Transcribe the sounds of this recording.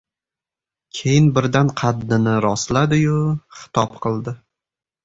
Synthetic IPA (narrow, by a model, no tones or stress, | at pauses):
kʲʰe̞jɪnbɪɾd̪anqʰɑd̪ːɪnɪɾɒslad̪ɪjʊχɪ̥t̪ʰɒpqʰɨlˠd̪ɪ